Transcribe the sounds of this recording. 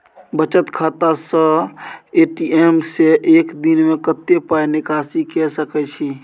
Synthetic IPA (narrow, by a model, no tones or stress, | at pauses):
bət͡ʃət̪kʰat̪asə | eʈiemseʔekd̪inmekət̪ːepainɪkasikɛsəkɛt͡ʃʰi